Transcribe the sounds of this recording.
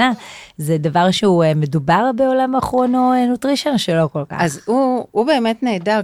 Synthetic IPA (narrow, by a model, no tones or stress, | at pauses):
azedavaʁʃeumedubaʁbeo̞lamaːχʁo̞noenutʁiʃenʃelo̞ko̞lka̰χazuube̞ːmetneːda